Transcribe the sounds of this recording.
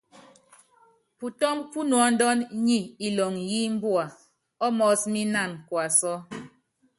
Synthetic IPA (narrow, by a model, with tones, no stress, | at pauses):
pu˨tɔ˦mpu˦nwɔ˨˦n̩˦dɔ˦nɲi˦i˨lɔ˨ŋji˦m̩˦bwa˨ | ɔ˦mɔ˨˦smi˦na˦˨nkwa˨sɔ˦